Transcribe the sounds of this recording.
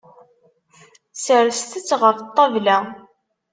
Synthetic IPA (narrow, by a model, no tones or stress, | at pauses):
səɾst̪ət͡sːʁəft̪ˤːɑvlæ